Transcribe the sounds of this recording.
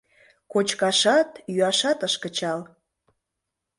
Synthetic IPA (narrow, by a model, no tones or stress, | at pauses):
kot͡ɕkɑʃɑt̪jyɑʃɑt̪əʃkət͡ɕɑl